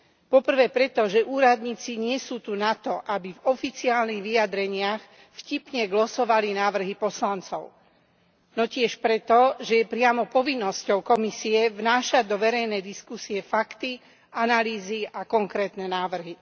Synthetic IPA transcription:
pɔpr̩ʋɛːpɾɛt̪ɔʒɛʔuːɾad̪ɲiːt͡siɲɪɛsuːt̪unat̪ɔʔabivɔfit͡siaːlniɣʋiad̪ɾɛɲɪax | fcipɲɛɡlɔsɔʋalinaːʋr̩ɦipɔslant͡sɔ̰ʊ | nɔcɪɛʃpɾɛt̪ɔʒɛjɛpɾɪamɔpɔʋinːɔscɔʊkɔmisiɛvnaːʃad̪ɔʋɛɾɛjnɛd̪iskusiɛfakt̪i | ʔanaliːziakɔŋkɾɛːt̪nɛnaːʋr̩ɦi

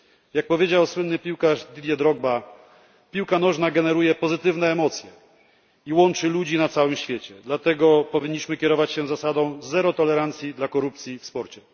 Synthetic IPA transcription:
jak̚pɔvʲjed͡ʑawswɘnːɘpʲiwkaʐd̪ʲid̪ʲjɛd̪ɾɔɡ̚ba | pʲiwkanɔʐnaɡɛnɛɾujɛpɔzɘt̪ɘvnɛːmɔt̪sʲjɛ | iwɔnt͡ʂɘlud͡ʑinat̪sawɘmɕfʲjet͡ɕɛd̪lat̪ɛɡɔpɔvʲiɲːiɕmɘkʲɛɾɔvat͡ɕɕɛzasad̪ɔ̃w̃zɛɾɔt̪ɔlɛɾant̪sʲjid̪lakɔɾupt̪sʲjifspɔɾt͡ɕɛ

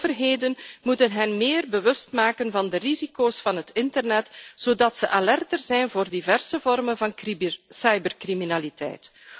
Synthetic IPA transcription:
vərɦeːdənmutənɦɛnmeːrbəʋɵstmaːkənvɑndərizikoːsfɑnɦətɪntərnɛtz̥oːdɑtsəʔalɛrtərzɛjnvoːrdivɛrsəvɔrmənvɑnsɑjbərkriminalitɛ̰jt

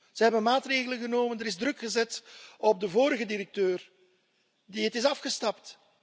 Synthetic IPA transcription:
z̥əɦɛbənmaːtreːɣələɣənoːməndəɾɪzdrɵkxəzɛtɔb̚dəvoːɾəɣədiɾək̚tøːr | diətɪsɑfχəstɑpt

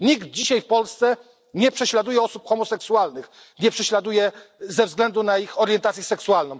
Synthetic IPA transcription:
ɲiɡd̪̚d͡ʑiɕajfpɔlst̪sɛ | ɲɛpʂɛɕlad̪ujɛɔsupxɔmɔsɛksualnɘx | ɲɛpʂɛɕlad̪ujɛzɛvzɡlɛnd̪unaixɔɾjɛnt̪at̪sjɛsɛksualnɔ̃wm

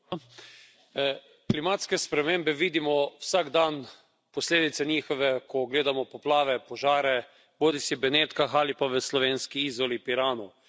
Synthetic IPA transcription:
klimaːt̪skɛspɾɛmeːmbɛʋiːd̪imɔwsaɡd̪an | pɔsleːd̪it̪sɛnʲiːxɔʋɛkʰɔɡleːd̪amɔpɔplaːʋɛpɔʒaːɾɛ | boːd̪isibɛneːt̪kaxalipaʋəslɔʋeːnskiiːzʋɔlipiɾaːnɔ

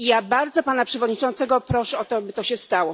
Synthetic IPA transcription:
ijabaɾd̪zɔpanapʂɛvɔd̪ɲit͡ʂɔnt̪sɛɡɔpɾɔʂɛɔt̪ɔbɘt̪ɔɕɛst̪awɔ

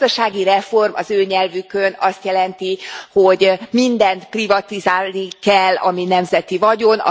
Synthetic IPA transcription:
d̪ɒʃaːɡiɾɛfo̞rmʔɒ̰zøːɲɛlvykønɒst̪jɛlɛnt̪iho̞ɟmind̪ɛnt̪privɒt̪izaːlnikɛlːɒ̰minɛmzɛt̪ivɒɟo̞nɒ̰

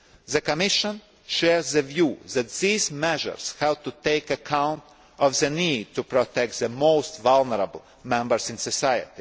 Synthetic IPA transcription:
ðəkɔmɪʃə̃n | ʃɛɹzðəvjuːðæt̪̚ðiːzmɛʒə̰ɹshæwt̪ut̪eɪkəkʰãʊ̃nt | ɔvðəniːd̚t̪upɾot̪ɛk̚t̪̚ðəmoʊst̪valˠnəɾabl̩ˠ | mɛ̃mbəɾsɪ̃nsɔsajə̰t̪i

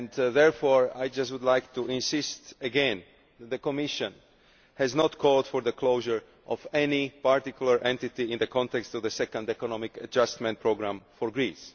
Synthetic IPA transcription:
ɛ̃ndðɛɹfɔɹa̰jd͡ʒastwud̪lajk̚t̪uɪ̃nsɪstəɡɛ̃n | ðɛt̪̚ðəkɔmɪʃə̃n | hɛznɔtkʰɔldfɔɹðəkʰloʊʒəɹ | ʔɔvɛnipaɹt̪ikjul̩ˠaɹʔɛ̃ntɪt̪iɪ̃nðəkʰɔ̃nt̪ɛkst̪ɔvðəsɛkə̃nd̪ɛkɔnɔmɪkəad͡ʒast̪mɛ̃nt̚pʰɹoɡɹãmfɔɹɡɹis

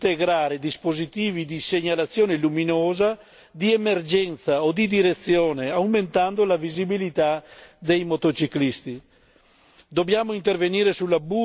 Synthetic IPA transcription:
t̪eɡɾaːɾed̪ispozit̪iːvid̪iseɲalat̪sːjoːneluminoːza | d̪iemerd͡ʒɛnt̪saod̪id̪iɾet̪sːjoːneawment̪and̪olavizibilit̪ad̪ejmot̪ot͡ʃiklist̪i | d̪objaːmoint̪erveniːɾesulːabu

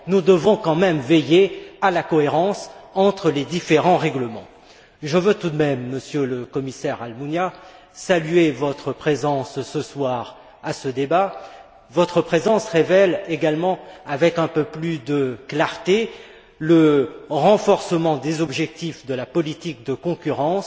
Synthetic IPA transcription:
nud̪əvɔ̃kɑ̃mɛmvɛjealakɔeʁɑ̃sɑ̃t̪χəled̪ifeʁɑ̃ʁɛɡləmɑ̰̃ | ʒəvøt̪ud̪mɛmːəsjøləkɔmisɛʁalmunja | salyevɔt̪χəpχezɑ̃ssəswaʁ | asəd̪eba | vɔt̪χəpχezɑ̃sʁevɛleɡalmɑ̃avɛkɛ̃pøplyd̪əklaʁt̪e | ləʁɑ̃fɔʁsəmɑ̃d̪ezɔbʒɛk̚t̪ifd̪əlapɔlit̪ik̚d̪əkɔ̃kʲyʁɑ̃s

